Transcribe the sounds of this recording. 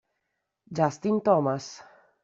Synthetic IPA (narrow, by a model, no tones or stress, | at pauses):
d͡ʒast̪int̪ɔmas